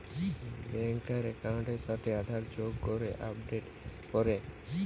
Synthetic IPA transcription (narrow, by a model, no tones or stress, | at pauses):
bɛŋkaɾɛkawɳʈeɾʃat̪ʰead̪ʱaɾd͡ʑoɡkoɾeʔap̚ɖeʈ | pɔɾe